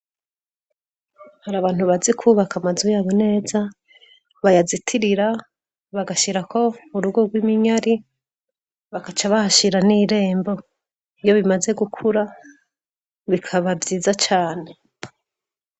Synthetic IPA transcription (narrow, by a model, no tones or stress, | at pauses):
haɾaːβaːn̥huβazikʰuβakamazujaːβo̞ne̞ːza | βajazitʰiɾiɾa | βaɡaʃiɾakʰo̞uɾuɡoɡwimiɲaɾi | βakat͡ʃaβahaʃiɾaniɾe̞ːmbo̞ | ijo̞βimaze̞ɡukʰuɾa | βikʰaβavjiːzat͡ʃaːne̞